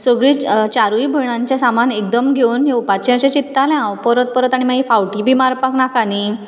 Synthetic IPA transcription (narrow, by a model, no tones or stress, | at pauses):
səɡɭit͡ɕaɾujbʱəɳ̃ãɲt͡ɕjasamanek̚d̪əmɡʱewnɦeupat͡ɕẽə̃ɕẽt͡ɕit̪ːalɛ̃ãwpəɾət̪̚pəɾət̪aɽ̃imaɡifawʈibʱimaɾpaknakani